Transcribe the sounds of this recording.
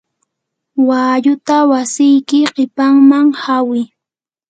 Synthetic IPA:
waːʎʊt̪awasɪjkɪqɪpaŋmaŋhawɪ

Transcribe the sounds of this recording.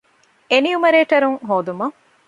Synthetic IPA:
eniumɐɾeːʈɐɾuŋɦoːd̪umɐŋ

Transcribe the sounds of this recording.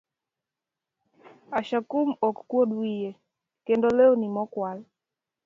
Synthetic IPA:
aʃakumɔkːwoɗwije | kendoleonimɔkwal

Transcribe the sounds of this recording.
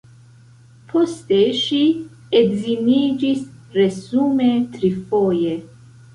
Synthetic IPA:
pʰost̪eʃi | edziniːd͡ʒis | ɾezumet̪ɾifoje

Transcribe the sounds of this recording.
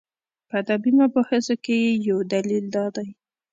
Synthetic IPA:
pəad̪abimapəxəzokejejawd̪alild̪ɑd̪aj

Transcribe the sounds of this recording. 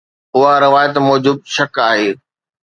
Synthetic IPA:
ʊɦaɾɪʋaːjət̪mɔːd͡ʑʊb̚ʃɐkaːɦeː

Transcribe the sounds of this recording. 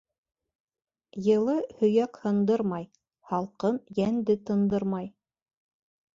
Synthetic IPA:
jɤ̆lˠɤhɵ̆jækhɤ̆nd̪ɤɾmɑj | hɑlˠqɤnjænd̪ɘt̪ɤ̆nd̪ɤɾmɑj

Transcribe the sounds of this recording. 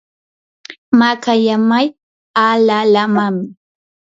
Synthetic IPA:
makajamaj | alalamam

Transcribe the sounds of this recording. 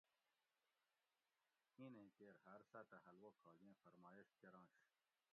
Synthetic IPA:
ĩnẽkeːɾɦɐɾsaːt̪ɐɦɐlwoːkʰaːɡẽːfɐɾmaːjeʂkeɾãːɕ

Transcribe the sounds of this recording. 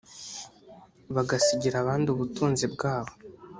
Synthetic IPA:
βaɡasiɟiɾaβaːndiuβutuːnzibɡaːβo

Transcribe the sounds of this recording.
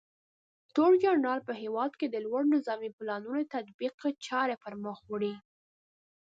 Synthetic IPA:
t̪oɽd͡ʒʊɾnɑlpəɦewɑd̪ked̪əlwaɽnɪzɑmiplɑnunot̪ad̪biqt͡ʃɑɾefaɾmɑxwɽi

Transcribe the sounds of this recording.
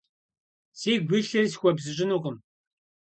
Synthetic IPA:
seːɡʷiːɬɐrs̬xʷɐbzɨɕʼɪnuːqʼʊm

